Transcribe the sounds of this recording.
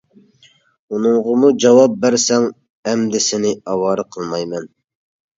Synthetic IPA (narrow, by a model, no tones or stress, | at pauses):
unɨŋʁəmud͡ʒɑwɑp̚bæɾsɛŋ | ɛmd̪ɪsɪnɪɑwɑːɾəqʰəlˠmɑjmɛn